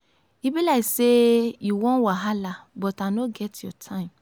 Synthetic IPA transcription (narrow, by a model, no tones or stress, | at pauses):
ibilaɪksejuwɔ̃nwaɦalabɔtanoɡɛtjɔtʰãɪ̃m